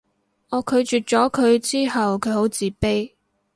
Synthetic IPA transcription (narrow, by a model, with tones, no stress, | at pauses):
ŋɔː˨˧kʰɵ˨˧ɥt͡ʃyː˨˩t̚t͡ʃɔː˨˥kʰɵ˨˧ɥt͡siː˥ɦɐ˨wkʰɵ˨˧ɥho˨˥wt͡siː˨pe˥j